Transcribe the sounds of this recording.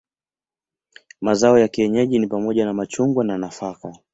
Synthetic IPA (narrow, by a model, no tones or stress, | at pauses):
mazaɔjakiɛɲɛʄinipamɔʄanamat͡ʃuŋɡwananafaka